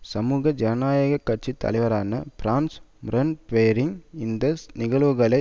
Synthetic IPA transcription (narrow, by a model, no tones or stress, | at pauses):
sɐmuːɣɐd͡ʒɐnɐnaːjɐɣɐkːɐʈ̚t͡ʃit̪ːɐ̰lɐɪʋɐɾaːnɐbɾaːns | mɾɐnpejɐɾɪŋɪnd̪ɐnɪɣɐɭʋɯɣɐɭɐɪ